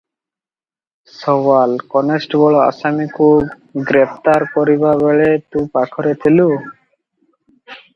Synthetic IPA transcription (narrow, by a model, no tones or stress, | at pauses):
sɔwalkɔnesʈɡɔɭoa̰samikʰub | ɡɾepʰt̪aɾkɔɾiβaβeɭet̪ũpakʰɔɾet̪ʰilu